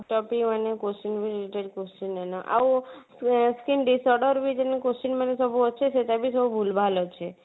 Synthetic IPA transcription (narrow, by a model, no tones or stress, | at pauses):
kʈɔpiənekosinʋiɾiliʈeɖkosinɛnɔʔa̰u | skinɖisɔɾɖəɾbid͡ʒənekosinmanesəbʱuɔt͡ʃʰeset̪abisəbubʱulbʱalot͡ʃʰe